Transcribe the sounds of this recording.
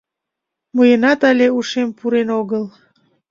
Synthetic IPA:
məjənɑt̪ɑlʲeuʃempuɾenoɣəl

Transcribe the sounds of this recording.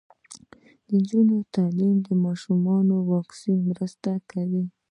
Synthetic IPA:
d̪ɪd͡ʒʊnot̪alɪmd̪ɪmaʃʊmɑnowɑksɪmɾast̪akawi

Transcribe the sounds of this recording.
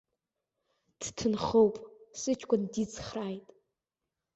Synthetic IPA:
d̥ʰtʰɨnχowpʼsɨt͡ʃʰʼkʷʼandit͡sʰχraːjtʼ

